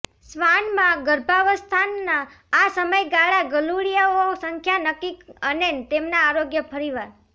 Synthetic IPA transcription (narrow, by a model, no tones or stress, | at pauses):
sʋanmãɡəɾbʱaʋəst̪ʰanːaː | səməjɡaɭaɡəluɽijaosəŋkʰjanəkikənent̪emnaːɾoɡjəpʰəɾiʋaɾ